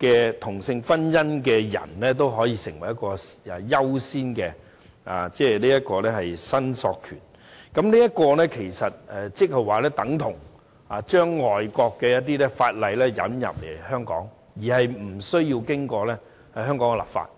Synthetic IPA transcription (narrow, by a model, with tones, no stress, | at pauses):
kɛː˧t̪ʰʊ˨˩ŋsɪ˧ŋfɐ˥njɐ˥nkɛː˧jɐ̰˨˩nlɛː˥t̪o˥wɦɔː˨˥jiː˧sɪ˨˩ŋwɐ˨˩jɐ˥t̚kɔː˧a˨jɐ˥wsiː˥nkɛː˧ | a̰ː˨t͡sɛː˥liː˥jɐ˥t̚kɔː˧lɛː˥ɦɐ˨jsɐ˥nsɔ̰ː˧kʰy̰ː˨˩n | kɐ˨˥mniː˥jɐ˥t̚kɔː˧lɛː˥kʰe˨˩jsɐ˨t̚ɛ˨t͡sɪ˥k̚hɐ˨jwaː˨˩lɛː˥t̪ɐ˨˥ŋt̪ʰʊ˨˩ŋ | aː˨t͡ʃœː˥ŋːɔː˨jkɔː˧kːɛː˧jɐ˥t̚t̪̬i˥lɛː˥faː˧t̚lɐ˨˧jlɛː˥jɐ̰˨˥njɐ̰˨p̚le˨˩jhœː˥ŋkɔ̰ː˨˥ŋ | jiː˨˩hɐ˨jm̩˨˩sɵ˥ɥjiː˧wkɪ˥ŋkɔː˧lɛ˥ | hɐ˨jɦœː˥ŋkɔː˨˥ŋkɛ˨la̰ː˨˩pfa̰ː˧t̚